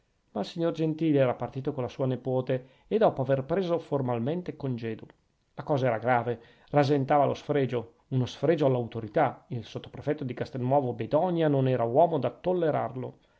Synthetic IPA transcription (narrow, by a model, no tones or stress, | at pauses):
mailsiɲːord͡ʒent̪iːlɛːɾapart̪iːt̪okonlasuːanepoːt̪eː | d̪ɔːpoaverpɾeːzoformalment̪ekond͡ʒɛːd̪u | lakɔːzaɛːɾaɡɾaːve | razent̪aːvalosfɾeːd͡ʒo | unosfɾeːd͡ʒoalːawt̪oɾit̪ailsot̪ːo̥pɾefɛt̪ːod̪ikast̪elnwɔːvobed̪ɔɲjanonɛːɾawɔːmod̪at̪ːolːeɾa̰rlo̰